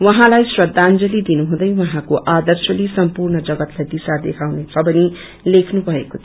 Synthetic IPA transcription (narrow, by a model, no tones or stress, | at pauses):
wʌɦãlajsrʌd̪ʱːand͡zʌlid̪inuɦũd̪ʌjwʌɦãkoʔad̪ʌrsʌlisʌmpurɳʌd͡zʌɡʌt̪lajd̪isad̪ekʰawnet͡sʰʌbʌni | lekʰnubʱʌekot̪ʰ